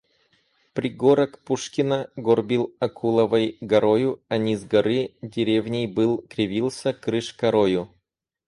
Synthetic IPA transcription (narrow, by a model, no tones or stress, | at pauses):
pɾʲɪɡoɾəkpuʂkʲɪnəɡorbʲilˠɐkʰulˠəvəjɡɐɾojʊɐnʲizɡɐɾɨdʲɪɾʲevnʲejbɨlˠkɾʲɪvʲilˠsʲəkɾɨʂkɐɾojʊ